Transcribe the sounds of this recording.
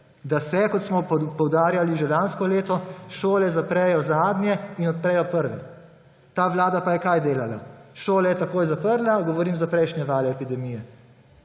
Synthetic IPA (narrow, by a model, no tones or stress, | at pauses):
d̪asɛkɔt̪smɔpɔwd̪aːɾjaliʒɛlanskɔleːt̪ɔʃoːlɛzapɾɛjɔzaːd̪nʲjɛinɔt̪̚pɾɛjɔpəɾʋɛ̰ | t̪aːʋlaːd̪apajɛkajd̪eːlalaʃoːlajɛt̪akoːjzapəɾlaɡɔʋɔɾiːmzapɾɛjʃnʲɛʋaːlɛːpid̪ɛmiːjɛ